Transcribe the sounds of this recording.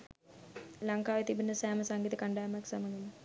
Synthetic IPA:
laŋkaːʋet̪ibinəsæːməsaŋɡit̪əkaɳɖaːmjaksamɐninə

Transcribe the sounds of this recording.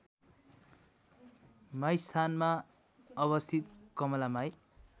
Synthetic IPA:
majst̪ʰanma | ʌβʌst̪ʰit̪̚kʌmʌlamaj

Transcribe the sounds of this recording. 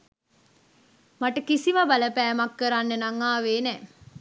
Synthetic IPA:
maʈəkisimabaləpɛːmakːəɾanːənaŋaːʋeːnɛː

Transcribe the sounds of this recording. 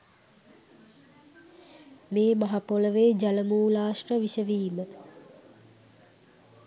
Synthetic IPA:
meːmaɦapoləʋeːd͡ʒaləmuːlaːʂʈəʋiʃəʋiːmə

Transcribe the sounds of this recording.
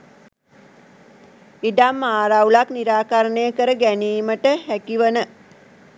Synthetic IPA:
iɖamːaːɾawlakniɾaːkaɾəɳəjəkəɾəɡæniːməʈəhækiʋənə

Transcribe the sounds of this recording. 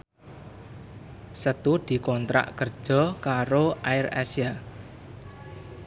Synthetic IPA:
sət̪ud̪̥i̤kɔnt̪ɾa̰ʔkərd̥ʒ̥ɔ̤kaɾoaɪra̰sja

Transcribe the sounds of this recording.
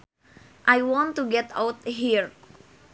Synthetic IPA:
ʔajwɔ̃nt̪uɡɛt̪a̰wt̪̚ɦiɹ

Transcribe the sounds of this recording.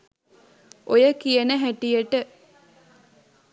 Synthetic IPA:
ʔojəkijənəɦæʈijəʈə

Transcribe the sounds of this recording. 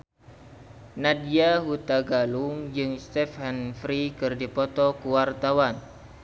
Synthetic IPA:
nadiaɦut̪aɡalʊŋd͡ʒɨŋst̪ɛfhɛnfɾikɨrdipɔt̪ɔkuwart̪awan

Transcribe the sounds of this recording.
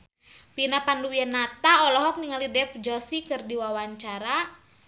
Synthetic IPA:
pinapanduwianat̪aɔlɔɦɔk̚niŋalidɛpd͡ʒɔsikɨrdiwawaɲt͡ʃaɾa

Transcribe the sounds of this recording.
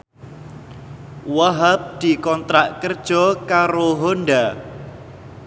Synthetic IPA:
waɦap̚d̪̥i̤kɔnt̪ɾaʔkərd̥ʒ̥ɔkaɾoɦonda

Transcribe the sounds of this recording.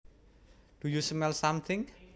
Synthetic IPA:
d̥ujusmɛlsamt̪ʰɪŋ

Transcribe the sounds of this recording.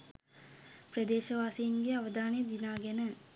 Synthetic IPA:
prəd̪eːʃɐʋaːsiːnɡeaʋəd̪aːnejd̪inaːɡenə

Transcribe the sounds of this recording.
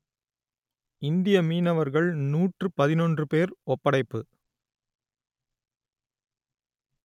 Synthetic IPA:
ɪnd̪ɪjɐmiːnɐʋɐɾɣɐɭnuːʈrɯpɐðɪnɔndrɯpeːɾɔpːɐɽɐɪpːɯ

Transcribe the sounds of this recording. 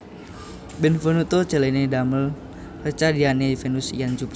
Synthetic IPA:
bɛnfɔnut̪ot͡ʃəlenedaməl | rət͡ʃadianefenusḭjand͡ʒup

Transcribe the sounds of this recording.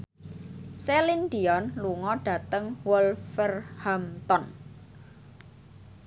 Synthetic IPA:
selind̪iɔnluŋɔɖ̥ä̤t̪əŋwɔlfɛrhamt̪ɔn

